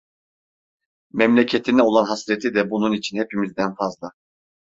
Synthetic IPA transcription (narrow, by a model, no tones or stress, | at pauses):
mɛmlʲecʰet̪ʰinɛo̞lˠanɦasɾet̪ʰid̪ɛbununit͡ʃʰinhepimizd̪ænfazlˠa